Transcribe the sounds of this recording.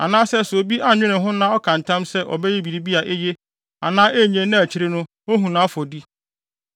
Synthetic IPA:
a̰˨nãː˦sɛ˦˨so˨bi˦ʔa˦ɲᶣɪ̃˦nɪ̃˨ɦʊ̃˦nã˦ɔ˦kʰã˨n˨tʰã˦msɛ˦ʔɔ̰˨bɛ˦je˦bi˨ɾi˦bi˦a˨ʔe˦je˦ | a̰˨nãː˦ʔe˦˨ɲẽ˨nã˦æ˨t͡ɕʰi˦ɾe˦nʊ̃˦ | o˦ɦũ˨nãː˨˦fɔ˨di˦

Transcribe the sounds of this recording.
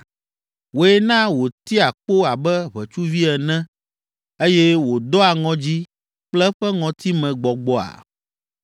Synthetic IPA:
wo˨ɛ˦nã˦wo˨t̪i˦a˨k͡po˦a˨bɛ˦βɛ˨t͡ʃu˦vi˦ɛ˨nɛ̃˦ | e˦jɛ˦wo˨d̪ɔ˦a˨ŋɔ̃˨d͡ʑi˦ | k͡plɛ˦ɸɛ˦ŋɔ̃˨t̪i˦mɛ̃˨ɡ͡bɔ˨ɡ͡bɔ˦a̰˨

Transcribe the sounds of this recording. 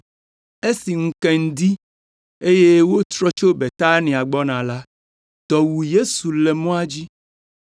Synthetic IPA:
e˦si˨ŋ̩˦kɛ˨ŋ̩˨d̪i˦ | e˦je˦wo˦t̪ɾɔ˦t͡ʃo˦be˨t̪a˦nĩ˨a˨ɡ͡bɔ˦nã˨la˦ | d̪ɔ˨wu˨je˦su˨lɛ˨mɔ̃˦a˦d͡ʑi˦

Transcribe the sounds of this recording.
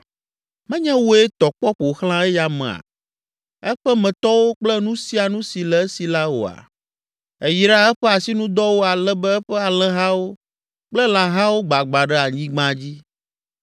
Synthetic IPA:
mɛ̃˦ɲɛ̃˦wo˦e˦t̪ɔ˨k͡pɔ˦ɸo˨xl̃ã˦ɛ˦ja˨mɛ̰̃˨a̰˨ | ɛ˦ɸɛ˦mɛ̃˨t̪ɔ˦wo˦k͡plɛ˦nũ˦si˦a˨nũ˦si˨lɛ˨˦si˨la˦wo̰˨a̰˨ | e˨ji˦ɖa˦ɛ˦ɸɛ˦a˨si˦nũ˦d̪ɔ˦wo˦a˨lɛ˦bɛ˦ɛ˦ɸɛ˦a˨lɛ̃˦ɦã˦wo˦ | k͡plɛ˦l̃ã˨ɦã˦wo˦ɡ͡ba˨ɡ͡ba˨ɖɛ˦a˨ɲĩ˦ɡ͡bã˦d͡ʑi˦

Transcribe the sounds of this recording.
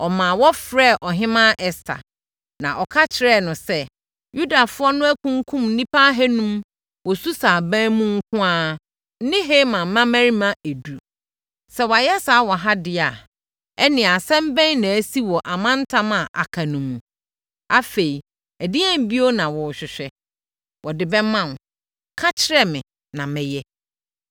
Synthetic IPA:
ɔ˨mã˨wɔ˦fɾɛ˦˨ʔɔ˨ɦɪ̃˦mã˦ʔɛ˨stʰa̰˨ | nã˨ʔɔ˨kʰa˦t͡ɕʰɪ˨ɾɛ˦˨nʊ̃˨sɛ˦ | ju˦da˨fʊ˦ɔ˦nʊ̃˦æ˦kʰũ˦ŋ˦kʰũ˦mn̩˦nĩ˦pʰa˦ɦɛ˦nũ˦m | wɔ˨su˦saː˨bæ̃˦mũ˦ŋ̩˦kʰʊ̃˦a˦ | n̩˦nɪ̃˦ɦe˦mã˨m˨mã˦mæ˦ɾi˦mã˦æ˨du˨ | sɛ˨wa˨jɛ˦saː˨˦wɔ˨ɦa˦dɪ˨a˨ | ɛ˦nɪ̃˨a˨sɛ̃˦m˦bɛ̃˦nã˨æ˦si˦wɔ˨ʔa˨mã˦n˦tʰã˦mã˨ʔa˨kʰa˨nũ˨mũ˨ | a˦fe˨i˨ | æ˨dɪ˦ɛ̃˦m˨bi˦o˦nã˨wɔ˨ɕᶣɪ˨ɕᶣɛ˦ | wɔ˨dɪ˨bɛ˦mã˦˨n˨ | kʰã˦t͡ɕʰɪ˦ɾɛ˦mɪ̃˨ | nã˨mɪ̃˨jɛ˦

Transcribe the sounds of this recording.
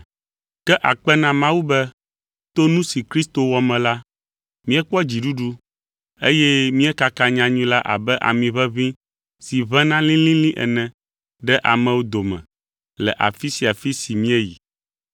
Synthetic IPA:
kɛ˦ʔa˨k͡pɛ˦nã˦mã˦wu˦bɛ˦ | t̪o˦nũ˦si˨kɾi˦st̪o˨wɔ˨mɛ̃˨la˦ | mĩ˦ɛ˦k͡pɔ˦d͡ʑi˨ɖu˦ɖu˦ | e˦jɛ˦mĩ˦ɛ˦ka˦kã˦ɲã˦ɲũ˦la˦ʔa̰˨bɛ˦ʔa̰˨mĩ˨βɛ˦βĩ˦ | si˨βɛ̃˦nã˦lĩ˦lĩ˦lĩ˦ʔɛ̰˨nɛ̃˨ | ɖɛ˦ʔa˨mɛ̃˨wo˦d̪o˨mɛ̰̃˨ | lɛ̰˨ʔa̰˨fi˦si˨a˨fi˦si˨mĩ˦ɛ˦ji˨

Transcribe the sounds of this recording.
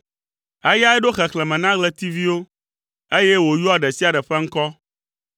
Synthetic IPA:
a˦ja˦ɛ˦ɖo˦xɛ˨klɛ˨mɛ̃˨nã˦ɡlɛ˦t̪i˦vi˦wo˦ | e˦jɛ˦wo˨ju˦a˨ɖɛ˨si˦a˨ɖɛ˨ɸɛ˦ŋ̩˦kɔ˦

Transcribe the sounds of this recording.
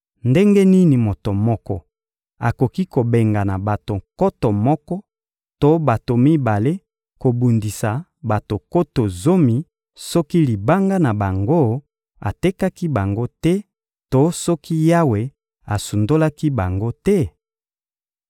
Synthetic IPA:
nde˦ŋɡɛ˦ni˦ni˨mo˨to˨mɔ˦kɔ̰˦ | a˨ko˨ki˦ko˨be˨ŋɡa˨na˨ba˨to˨ŋkɔ˦tɔ˨mɔ˦kɔ˦ | to˦ba˨to˨mi˦ba˨le˦ | ko˨bu˨ndi˨sa˨ba˨to˨ko˦to˨zo˦mi˨ | sɔ˦ki˦li˨ba˦ŋɡa˦na˨ba˨ŋɡo˦ | a̰˨te˦ka˦ki˦ba˨ŋɡo˦tɛ˦ | to˦sɔ˦ki˦ja˦we˨ | a˨su˨ndo˦la˦ki˦ba˨ŋɡo˦tɛ˦

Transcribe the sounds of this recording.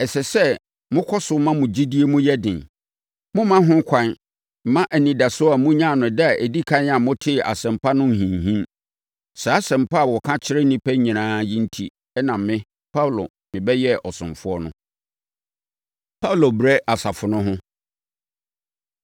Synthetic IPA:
ɛ˨sɛ˨sɛ˦˨ | mʊ̃˦kʰɔ˦sʊ˨˦mã˦mʊ̃˨d͡ʑi˦di˦e˦mũ˦jɛ˦dɪ̃˨n | mʊ̃˦mã˦ɦʊ̃˦kʷʰã˦n | m̩˦mã˦ʔæ˨nĩ˨da˨sʊ˦a˨mũ˦ɲã˦˨nʊ̃˨dɛ˦a˨ʔæ˨di˦kʰã˦nã˨mʊ̃˦tʰɪ˦˨ʔa̰˨sɛ̃˨m˨pa˦nʊ̃˦˨hĩ˨nɦĩ˦n | sa˨a˦sɛ̃˨m̩˨pa˦a˨wɔ˨kʰã˦t͡ɕʰɪ˦ɾɪ˦nĩ˦pʰæ˦ɲĩ˨nãː˦ji˦n̩˦tʰi˦ | ɛ˦nã˨mmɪ̃˦ | pʰa˦˨lo̰˨ | mɪ̃˨bɛ˦jɛ˦ʔɔ˨sʊ̃˨fʊ˦ɔ˦nʊ̃˦ | pʰa˦u˨lo˨bɾɛ˦ʔa˨sa˨fʊ˨nʊ̃˦ɦʊ̃˦

